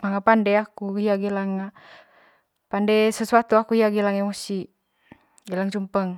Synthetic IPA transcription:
maŋapandɛakuɦiaɡilaŋa | pandɛsəsuat̪uakuhiaɡɛlaŋɛmɔsi | ɡɛlaŋt͡ʃumpəŋ

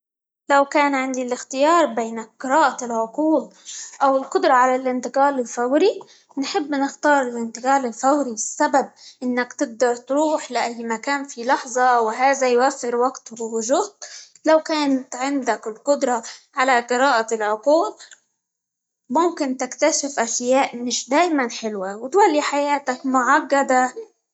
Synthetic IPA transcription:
lawkaːnʕɪnd̪ilɪxt̪ɪjɑːɾˤbeːnqɨɾɑːʔalʕʊquːd̪̚ʔawɪlqʊd̪ɾˤɑʕalalʔɪnt̪ɪqɑːlɪlfawɾi | nħɪbːnɪxt̪ɑːɾˤɪlʔɪnt̪ɪqɑːlɪlfawɾibɪsːabab̚ʔɪnːakt̪ɪɡ̚d̪ɑɾˤt̪ɾuːħlaʔajːmakaːnfilɑħzˤɑwɦaːðajwafːɪɾwaɡt̪wwʊʒuːt̪ | lawkaːnt̪ʕɪnd̪akɪlqʊd̪ɾˤɑʕalaqɨɾɑːʔalʕʊquːb̚ | mʊmkɪnt̪ɪkt̪aʃɪfʔaʃjaːʔmɪʃd̪aːjmanħɪlwawɪt̪walːiħajaːt̪akmʊʕaɡːad̪a

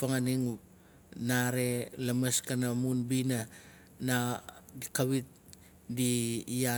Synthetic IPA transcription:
paŋaniŋ | naɾe̞lameskanamunbina | nadikaβit̚ | dia

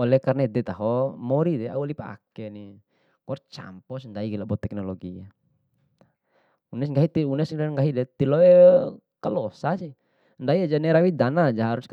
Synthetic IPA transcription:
ɔlɛkarnɛd̪ɛt̪aɦɔmɔɾidɛa̰ualipaa̰kɛni | kɔrt͡ʃa̰mpɔsndaiɡilabɔt̪ɛk̚nɔlɔɡia | unɛsŋɡaɦit̪iunɛsŋɾaŋɡaɦidɛt̪ilɔɛ | kalɔsasi | ndaiad͡ʒanɛɾawid̪anad͡ʒaɦaɾusk

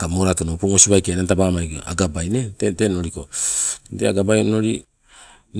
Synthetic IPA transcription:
kamoɾatonopoŋosiβajkeanantabamaja̰ɡabajneteteno̞ɾiko̞dea̰ɡabajonoɾi | n

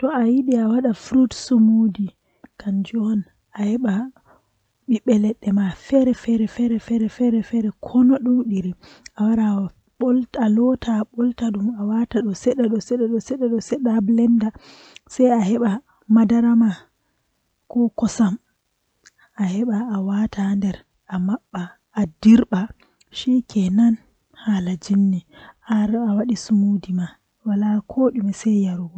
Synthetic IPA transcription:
tɔajiɗiawaɗafɾutsumodi | kand͡ʒɔn | ahɛɓa | ɓiɓɛlɛɗːɛmafɛɾɛfɛɾɛfɛɾɛfɛɾɛfɛɾɛfɛɾɛkʰɔnɔɗɔwɗiɾiawaɗa | ɓɔltalɔtʰaɓɔltaɗumawataɗɔsɛɗaɗɔsɛɗaɗɔsɛɗaɗɔsɛɗablɛnda | sajahɛɓa | madaɾama | kɔkɔsam | ʔahɛɓaːwatʰandɛɾ | ʔamaɓːaː | diɾɓa | ʃikɛnan | halad͡ʒinːiʔaɾawaɗisumudima | walakʰoːɗimɛsɛjjaɾuɡɔ

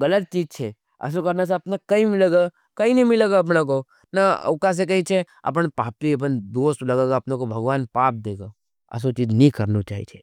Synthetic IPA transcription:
ɡɐlət̪̚t͡ʃiːd͡ʒt͡ʃʰe | ɐ̰s̬okɐɾnas̬aɐpnakɐĩmɪleːɡa | kɐinɐĩmɪleɡaɐp̬nak̬o | na̰ʊkas̬ekɐĩt͡ʃʰeɐ̰pənpaːpiɐp̬ənd̪oːst̪lɐɡeɡaɐpnekobʱɐɡʋaːnpaːp̚d̪eːɡa | ɐ̰s̬ot͡ʃiːd͡ʒnĩkɐɾnot͡ʃaːɦḭt͡ʃʰe̥

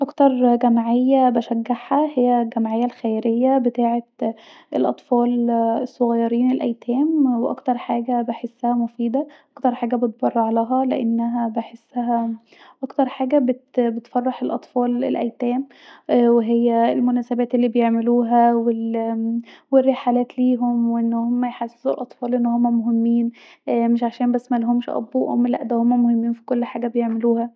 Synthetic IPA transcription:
ʔɑkt̪ɑɾˤɡæmʕejːæbæʃæɡːaħhæhejːæɡæmʕejːælxæjɾejːæbet̪aːʕeʔelʔɑ̰t̪ˤfɑːlesˤːoɣɑjːɑɾiːnelʔæ̰jt̪ʰæːmweʔɑ̰kt̪ɑɾˤħaːɡæbeħesːæhæmofiːd̪æʔɑkt̪ɑɾˤħaːɡæbet̪̚bɑrˤːɑʕalæːɦæleʔenːæɦæbeħesːæɦæ | ʔɑkt̪ɑɾˤħaːɡæbet̪bet̪fɑrˤːɑħelʔɑt̪ˤfɑːlḛlʔæ̰jt̪æːm | weɦejːæelmonæːsæbæːt̪ʔelːiːbejeʕmeluːɦæwel | werːeħalæːt̪liːɦomweʔenːhomːæjħasezulʔɑt̪ˤfɑːlʔenːhomːæmoɦemːiːn | meʃʕaʃæːnbæsːmælɦomʃʔɑ̰buːʔʔo̰mlæ̰ʔd̪æhomːæmohemːiːnfi̥kolːħaːɡæbejeʕmeluːhæ

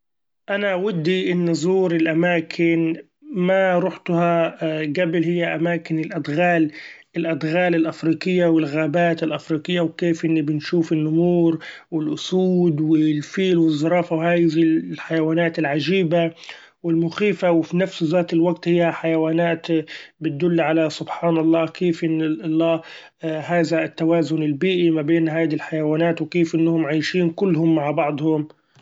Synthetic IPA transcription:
ʔanaʔwad̪ːiʔɪnːʊzˤuːɾɪlʔamaːkʰɪn | maɾˤʊħt̪ʊhaɡabɪlhɪjːaʔamaːkɪnɪlʔad̪ɣaːl | ɪlʔad̪ɣaːlɪlʔafɾiːkɪjːawɪlɣaːbaːt̪ɪlʔafɾiːkɪjːawkeːfʔɪnːibɪnʃuːfɪnːʔʊmuːɾ | wɪlʔʊsuːd̪wɪlfiːlwɨzˤːɑɾˤɑːfawhaːjðiħajawaːnaːt̪ɪlʕaʒiːba | wɪlmʊxiːfawɪfinafszaːt̪ɪlwaɡt̪hɪjːaħajawaːnaːt̪bɪt̪̚d̪ʊlːʕalasʊbħaːnɑlˤːɑːkeːfʔɪnːlˤːɑː | ɦaːðat̪ːawaːzʊnɪlbiːʔimabeːnɦaːd̪ilħajawaːnaːt̪wɪkeːfʔɪnːhʊmʕajʃiːnkʊlːɦʊmːaʕbɑʕd̪ˤhʊm

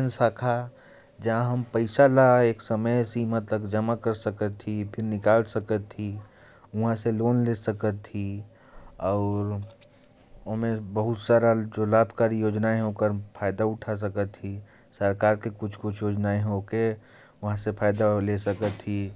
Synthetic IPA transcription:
ənsaːkʰa | d͡ʒɐɦãɦɐmpəɪsalaeːksəməjsimət̪ləbd͡ʒəmakəɾsəkət̪ʰːipʰɪɾnɪkaːlsəkət̪ʰːi | ʊɦãseloːnlesəkət̪ʰːi | ɔːɾ | ɦmẽbəɦʊt̪saːɾad͡ʒolaːbʱkaːɾijoːd͡ʒnaeɦokəɾpʰaːjd̪aʊʈʰas̬əkət̪ːi | səɾkaːɾkekʊt͡ʃʰkʊt͡ʃʰjoːd͡ʒnaeɦoke | ʋɐɦãsepʰaːjd̪alesəkət̪ʰːi

